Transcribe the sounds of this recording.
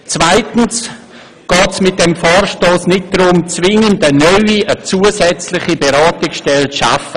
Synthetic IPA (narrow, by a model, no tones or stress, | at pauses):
t͡svaɪtn̩s | ɡ̥ɑːtsmɪt̚dɛmfaːrʃtoːsnɪt̚dɾʊmt͡svɪŋəndənœʏiʔət͡suːəsɛt͡slɪχibeɾaːtɪksʃtɛlʃa̰fə